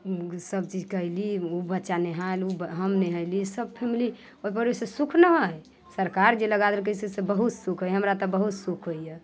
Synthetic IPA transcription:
səb̚t͡ʃid͡ʒkəɦiliubətːʃaneɦalubɦəmnɛɦəɪlisəb̚pʰemili | oipəɾesesukʰnəɦoj | səɾkaɾd͡ʒeləɡad̪elk̬əsesebəɦut̪sukʰɦojɦəmɾat̪ɔbəɦut̪sukʰɦoje

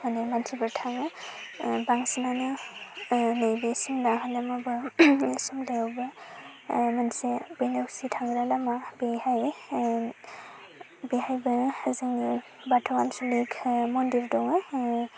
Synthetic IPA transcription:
manɛmantʰibɯtʰaŋɯ | baŋsinanɯ | nejbesimlaɦalamabɯsimlebɯ | mansibɯjnɔksitʰaŋɾalamabejhaj | biɦajbɯzaŋi | batʰɔwansulikʰmɔndiɹdɔŋɯ

